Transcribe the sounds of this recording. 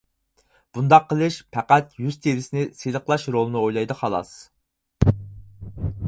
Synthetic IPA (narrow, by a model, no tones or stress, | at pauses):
b̥und̪ɑqʰːəlˠɨʃpʰɛqæt̪jyzt̪ʰeɾɪsɪnɪsezəqlˠɑʃɾolˠɨnɨojlˠɑjd̪ɨχɑlˠɑ̰s